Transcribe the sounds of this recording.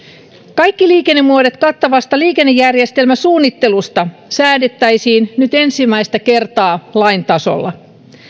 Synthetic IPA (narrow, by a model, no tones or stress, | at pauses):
kɑjkːiliːkenːemːuodet̪kɑt̪ːɑʋɑst̪ɑliːkenːejːærje̞st̪e̞lmæsuːnːit̪ːe̞lust̪ɑsæːdet̪ːæjsiːnnyt̪e̞nsimːæist̪æke̞rt̪ɑːlɑint̪ɑso̰lːɑ̰